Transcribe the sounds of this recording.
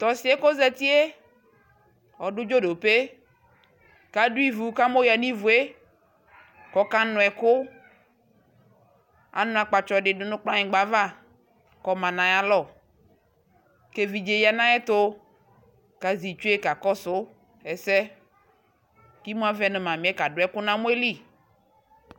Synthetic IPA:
t̪ɔ˨si˨˦e˦ko˦zɛ˦t̪i˦e˦ | ɔ˨ɖʊ˦d͡ʒo˦ɖo˨pe˦ | ka˨ɖu˦i˦vu˨ka˦mo˦ja˨nĩ˦vu˨e˦ | kɔ˨ka˦nʊ̃˨ɛ˨kʊ˦ | a̰˨nʊ̃˦a˨k͡pa˨t͡ʃɔ˦ɖɪ˨nʊ˨˦nʊ̃˦k͡plã˦ɲẽ˨ɡ͡ba˨va˦˨ | kɔ˦mã˨nã˨ja˦lɔ˦˨ | ke˦vi˨d͡ʒe˨ja˨nã˦ɛ˦t̪o˦ | ka˨zi˨t͡ʃu˦e˦ka˨kɔ˦sʊ˦ | ɛ˨sɛ˦ | ki˦mũ˦a˦vɛ˦nẽ˨mã˨mĩ˨˦ɛ˦ka˨ɖʊ˨˦ɛ˦kʊ˦nã˦mõ˦e˦li˦˨

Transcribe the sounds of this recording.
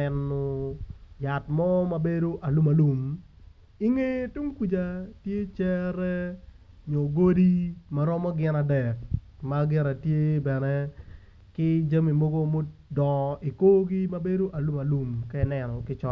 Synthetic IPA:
ɛ˨nːɔ˨ | ja˨tmɔ˦ma˦be˦do˦ʔa˨lu˦ma˨lu˨m | i˦ŋe˦tu˦ŋku˦d͡ʒa˨tje˦t͡ʃɛ˦ɾɛ˦ | ɲo˨ɡo˦di˦ma˦ɾɔ˦mɔ˦ɡɪ˦na˨dɛ˨k̚maɡɪ˦ɾa˨tje˦bɛ˨nɛ˦ | kɪ˦d͡ʒa˦mi˨mo˦ɡo˦mo˦ | dɔ˨i˨ko˦ɡi˦mɐ˦be˦do˦ʔa˨lu˦ma˨lu˦mka˦ɪ˨˦nɛ˨nɔ˨kɪ˦t͡ʃɔ˦

